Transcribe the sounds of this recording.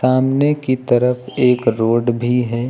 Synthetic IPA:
saːmnekit̪əɾəfʰeːkɾoːɖbʱiɦɛː

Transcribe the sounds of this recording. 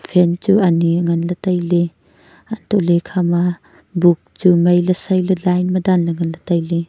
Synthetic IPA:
pʰent͡ʃuɐniŋɐnlɐtɐjle | antʰɔlekʰama | buk̚t͡ʃumɐjlɐsɐjlɐlajnmɐdanlɐŋɐnlɐtɐjli

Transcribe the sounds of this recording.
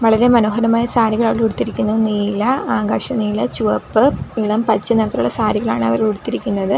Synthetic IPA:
ʋɐɭɐɾe̞mɐnoːɦɐɾɐmaːjɐsaːɾiɣɐɭaːʋuɽut̪ːiɾikʲːunːɐniːlɐaːɡaːʂɐniːlɐt͡ɕuʋɐpːɨiɭɐmpɐt͡ɕːɨneɽɐt̪ːɐɾuɭːɐsaːɾiɣɐɭa̰ːɳɨɐʋɐɾuɽut̪ːiɾikʲːunːɐðɨ

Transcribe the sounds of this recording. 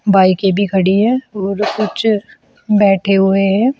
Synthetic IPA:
baːikebʱikʰɐɽiɦɛ̃ɔːɾkʊt͡ʃʰ | bɛːʈʰeɦʊeɦɛ̃ː

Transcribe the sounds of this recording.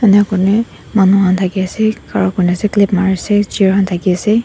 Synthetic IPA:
ɛnɛkɔnɛ | manuhantʰakiasɛkaɹɔ̃nkɔnɛazɛklipmaɹisɛziɹɦantʰakiasɛ

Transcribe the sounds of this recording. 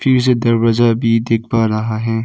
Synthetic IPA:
fʰɪɾs̬ed̪ɐɾwɐzabʱid̪eːkʰpaɾɐɦaɦɛː

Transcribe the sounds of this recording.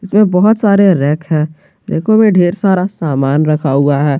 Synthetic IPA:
ɪsmẽbɔɦʊt̪saːɾeɾɛːkɦɛ̃ː | ɾɛ̰ːkõmẽɖʱeːɾsaːɾasaːmaːnɾɐkʰaːuaɦɛː

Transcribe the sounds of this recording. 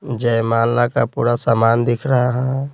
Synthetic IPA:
d͡ʒɛmaːnlakapṵːɾasamand̪ikʰɾəɦaɦɛ̃

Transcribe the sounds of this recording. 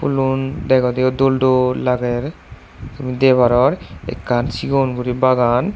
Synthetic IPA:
pulund̪ɛkɔd̪eod̪olɖolaɡɛɾ | t̪umid̪ebaɾɔɾḛkːansiɡonɡuɾibaɡan

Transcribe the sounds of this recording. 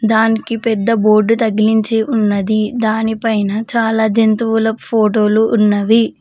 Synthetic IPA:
d̪aːnikipɛd̪ːɐbo̞ːɾɖut̪ɐɡiliɲt͡ʃeːʔunːɐd̪id̪aːnipɐjnɐt͡ʃaːlaːd͡ʒent̪uʋulɐpʰoːʈo̞ːluʔːnːɐʋi

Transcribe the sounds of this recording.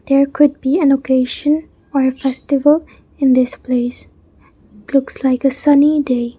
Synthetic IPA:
d̪̥eɹkʰʊd̚biæ̃nokʰeʃə̃n | ɔɾəfɛstɪʋəl | ɪ̃nd̪ɪspleɪs | lʊkslaɪkəsʌnide

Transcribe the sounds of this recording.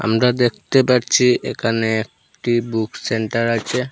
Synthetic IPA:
a̰mɾad̪ek̚ʰt̪epaɾt͡ɕʰiḛkʰaneek̚ | ʈibukseɳʈaɾat͡ɕʰe

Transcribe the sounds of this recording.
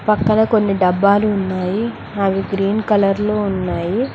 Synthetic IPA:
pɐkːɐnɐːko̞nːiɖɐbːaːluːnːaːji | ɐʋiɡɾiːnkɐlɐɾlo̞ːunːaːji

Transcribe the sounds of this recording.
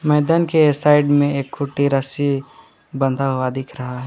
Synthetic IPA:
mɛːd̪aːnkesaɪɖmẽeːkʰːʊʈːiɾəsi | bə̃nd̪ʱaɦuad̪ɪkʰɾɐɦaɦɛ

